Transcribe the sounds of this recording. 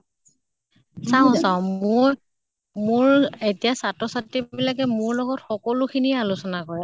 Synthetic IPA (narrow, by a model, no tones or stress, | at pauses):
saʊ̃saʊ̃mʊj | mʊɹetijasatɹɔsatɹibilak̬ɛmʊɹlɔɡɔtxɔkɔlʊxʰiniɛalʊsɔnakɔɹɛ